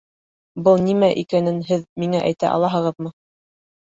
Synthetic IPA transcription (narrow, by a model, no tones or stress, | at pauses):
bɤlˠnimæʔikænɘnɦɘðmiŋæʔæ̰jt̪æ̰ʔɑ̰lˠɑɦɤ̆ʁɤ̆ðmɤ